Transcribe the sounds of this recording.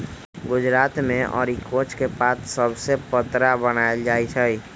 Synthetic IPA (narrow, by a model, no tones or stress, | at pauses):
ɡʊd͡ʒɾaːt̪mẽʔɔ̰ːɾikʰoːt͡ʃkepaːt̪ʰsəbsepət̪ɾabənaeld͡ʒaːit͡ʃʰəi